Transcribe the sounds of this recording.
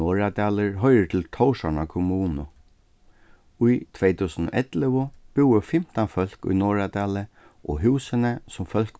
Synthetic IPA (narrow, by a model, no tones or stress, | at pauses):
ɔːɹat̪aːlɪɹɦɔjɾɪʈ̪ʰɪlt̪ʰɔwʂaɳakʰʊmuːnʊ | ujt̪ʰʋejt̪ʰuːsənʊ̰ʔɛt̪lɪʋʊb̥ɪwəfɪm̥t̪anfœl̥kʊ̰jnɔːɹat̪aːlɪ | ʔɔɦʉːsənəsʊmfœl̥k